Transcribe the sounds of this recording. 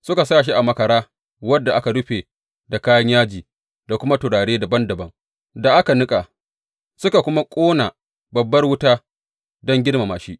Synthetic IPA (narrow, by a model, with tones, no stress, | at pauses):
sʊ˦ka˨saː˦˨ʃ̬i˦ʔa˨mɐ˨kɐ˨ɾaː˦ | wɐ˦dːa˨ʔa˦ka˨dʊ˦ɸeː˨ | da˨kaː˦jɐ˦ɲjaː˦d͡ʒiː˨ | da˨kʷʊ˦ma˦tʊ˨ɽaː˨ɽeː˦da˨bɐ˦ndɐ˨bɐ˦ŋ | da˨ʔa˦ka˨nʊ˦kʼaː˨ | sʊ˦ka˨kʷʊ˦ma˦kʷʼoː˦na˨ | bɐ˨bːɐ˦rwʊ˦taː˦ | dɔ˦ŋɡʲɪ˦ɽma˨maː˨ʃi˦ʔ